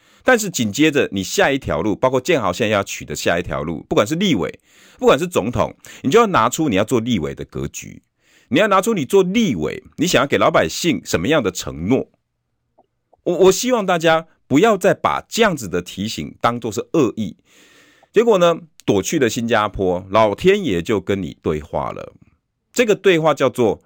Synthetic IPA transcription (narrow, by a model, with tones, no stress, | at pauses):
t̪a˥˧nʂ̬̩˥˩t͡ɕi˨˩nt͡ɕjɛ˦də˨ni˨˩ɕja˥˧i˥˩t̪ʰjɑ̰˧˥ʊlu˥˩pɑ˥ʊkʰɔ˥˧t͡ɕjɛ˥˨nxɑ˨˩ʊɕɛ˥˧ŋ˦jɑ˥˩ʊt͡ɕʰy˨d̪ə˦ɕja̰˥˧i˥˩t̪ʰjɑ̰˧˥ʊlṵ˥˩pu˥˩kwa˨˩nʂ̬ɻ̩˥˧li˥˨wḛ˨˩˦ɪ | pu˥˩kwa˨˩nʂ̬ɻ̩˥˩t͡so˧˥ŋt̪ʰʊ̰˨˩˦ŋni˨t͡ɕo˥˧ʊjɑ˥˩na˧˥ʈ͡ʂʰu˥ni˨jɑ˥˧ʊt͡swɔ˥˧li˥˨wḛ˨˩ɪd̪ə˨kɤ̰˧˦t͡ɕy̰˧˦ | ni˨jna˨˧˥ʈ͡ʂʰu˥ni˨˩t͡swɔ˥˧li˥˨wḛ˨˦ɪni˧˥ɕa˨ŋjke˨˩lɑ˧˥ʊpa˨˩ɪɕi˥˩ŋʂə˧˦nmə˧jɑ˥˩ŋd̪ə˨˩ʈ͡ʂʰə̰˧˥ŋnwɔ̰˥˩ | wɔ˨wɔ˨˩ɕi˥wɑ˥˧ŋt̪a˥˩t͡ɕja˥ | pu˧˥jɑ˥˧ʊt͡sa˥˩ɪpa̰˨˩t͡ɕə˥˧jɑ˥˩ŋd͡zɹ̩˨d̪ə˨t̪ʰi˨˥ɕḭ˨˩˦ŋt̪ɑ˦ŋt͡swɔ˥˧ʂ̬̩˥˩ʔɤ˥˧i˥˩ | t͡ɕɛ˧˥k̬wɔ˨˩nə˨t̪wɔ˨˩t͡ɕʰy˥˩d̪ə˨ɕi˦nt͡ɕja˦pʰwɔ˦lɑ˨˩ʊt̪ʰjɛ˦njɛ˨˩t͡ɕjo˥˩ʊkə˦nnḭ˨˩t̪we˥˧ɪxwa̰˥˩lə̰˨˩ | ʈ͡ʂɤ˥˩ɡə˨t̪we˥˧ɪxwa˥˧t͡ɕjɑ˥˧ʊt͡swɔ˥˩